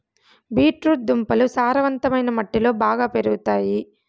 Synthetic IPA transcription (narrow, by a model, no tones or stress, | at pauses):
biːʈɾuʈ̚d̪umpɐlusaːɾɐʋɐnt̪ɐmɐjnɐmɐʈːilo̞ːbaːɡaːpe̞ɾuɡut̪aːji